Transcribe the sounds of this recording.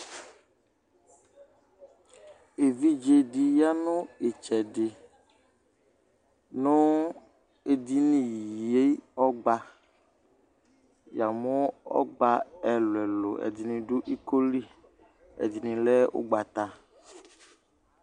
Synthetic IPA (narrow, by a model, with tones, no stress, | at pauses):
e˨vi˦d͡ʒe˦di˨ja˦nõ˦e˨t͡ʃɛ˨ɖɪ˨ | nõ˦ | e˦d̪i˦nĩ˦˨je˦ɔ˦ɡ͡ba˦ | ja˨mo˦ɔ̰˦ɡ͡ba˦ɛ˨lwɛ˨lo̰˨ɛ̰˨d̪i˨nĩ˨ɖu˦ʔi˦ko˦li˦ | ɛ̰˨di˨nĩ˨lɛ˦o̰˦ɡ͡ba˨t̪a˨